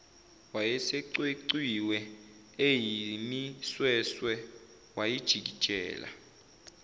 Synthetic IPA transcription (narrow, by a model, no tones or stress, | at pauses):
wajɛseǀweǀiwɛ | ejimiswɛswɛ | wajid̥ʒ̥ʱik̬i̥t͡ʃʼɛ̰ːla̰